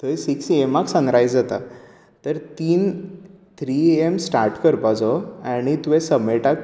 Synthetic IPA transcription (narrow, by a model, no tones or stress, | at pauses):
t̪uɛ̃siksiemaksə̃nɾajd͡zd͡zat̪a̰ | t̪əɾt̪iːn | t̪ʰɾiemsʈaɾʈkəɾpad͡zɔaɽ̃it̪uʋɛ̃səmeʈak